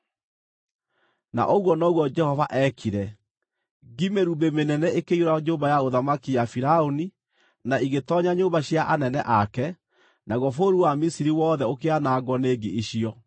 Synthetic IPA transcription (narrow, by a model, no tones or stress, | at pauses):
na̰ʔoɣwɔnɔɣwɔd͡ʒɛhɔvaʔɛkʰiɾɛ | ɡimeɾubemenɛnɛekeioɾaɲoːmbajaoðamakijafiɾaoni | naiɣetɔɲaɲoːmbaɕjaʔanɛnɛʔakɛ | nʔaɣɔfoɾuwamisiɾiwɔːðɛokeanaɡwɔneːɡeʔiɕiɔ